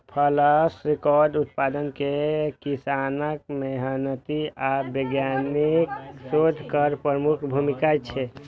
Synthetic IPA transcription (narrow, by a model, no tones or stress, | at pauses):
pʰələsɾekɔɾɖut̪̚pad̪ənkekisanək̚meɦənət̪iabeɡjaniksod̪ʱkəɾpɾɾəmukʰbʱumikat͡ʃʰɛ